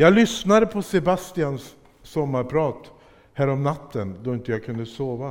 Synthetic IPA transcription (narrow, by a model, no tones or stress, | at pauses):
jɑːlʏsnad̪əpʰɔsɛbast̪ɪansː | ɔmːaɾpʰɾɑːt̪ | hæːɾɔmnat̪ʰːənd̪ɔɪnt̪əjakʰɵnd̪əsoːʋa